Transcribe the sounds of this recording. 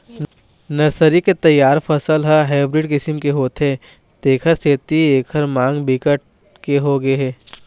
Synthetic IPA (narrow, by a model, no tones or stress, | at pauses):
nɐɾsəɾiket̪ɐjːaːɾpʰɐsəlɦəɦeːbɾɪɖkɪsɪmkeɦoːt̪ɦẽ | t̪eːkʰəɾseːt̪ieːkʰəɾmãːŋɡbɪkəʈ̚ | keɦoɡeɦɛː